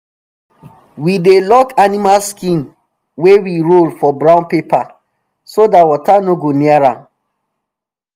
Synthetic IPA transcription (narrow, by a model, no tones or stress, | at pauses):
widelɔkanimalskĩn | wewiɹolfɔbɹãʊ̃npepa | sodawɔtanoɡoniaɹã